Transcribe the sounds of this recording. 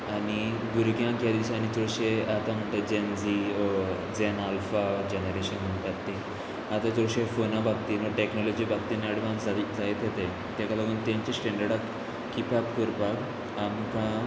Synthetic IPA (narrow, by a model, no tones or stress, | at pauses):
aɽ̃i | ɡuɾɡjãkjad̪iɕañit͡sɔɭɕeat̪ãm̤əɳʈ̪ed͡ʑend͡zi | d͡zenalfad͡ʑenəɾeɕənm̤əɳt̪at̪ːe | at̪ãt͡sɔɕefonãbʱak̚t̪inəʈeknɔlɔd͡ʑibak̚t̪inaɽʋãnd͡zaid͡zajet̪ɦet̪e | t̪jakalaɡuːnt̪ãɲt͡ɕesʈɛ̃ɳɖəɽakː | ipapkəɾpak | amkã